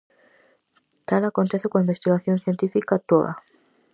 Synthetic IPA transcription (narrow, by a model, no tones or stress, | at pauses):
t̪alakont̪eθekõaimbest̪iɣaθjonθjent̪ifikat̪oða̰